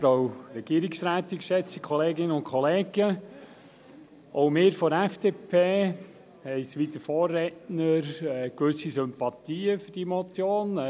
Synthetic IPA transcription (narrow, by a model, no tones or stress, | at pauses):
owɾɛɡ̥iəɾiksɾæːt̪ikʃɛt͡sikʰχɔleːɡɪnəʊ̃nkʰχɔleːɡ̥ə | ʔoʊmɪːɾfɔɾæfd̥eːpʰeː | hɛɪsʋid̪əfoːrːɛtnəɾkʋʏsisʏmpɑt̪iːəfʏɾd̥imɔt͡sjoːn